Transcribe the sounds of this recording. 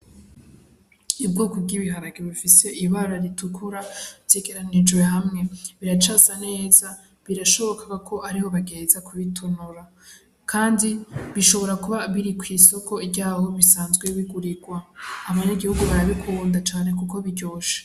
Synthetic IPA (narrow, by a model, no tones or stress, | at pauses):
ibɡuːkobɡiβiɦaɾaɡeβufise̞ʔiβaɾaɾitukʰuɾavje̞ɡe̞ɾanid͡ʒɡwe̞ɦamŋe̞βiɾat͡ʃasane̞ːza | βiɾaʃo̞βo̞kaɡakʰo̞ʔaɾiho̞βaɡe̞ːzakʰuβitʰonuɾa | kʰaːndiβiʃo̞βo̞ɾakuβaβiɾikwiːso̞ko̞ibɟaːho̞βisaːnzɡweβiɡuɾiɡwaːβaɲaɡihuɡuβaɾaβikʰuβuːndat͡ʃaːne̞kuko̞βiɟo̞ːʃḁ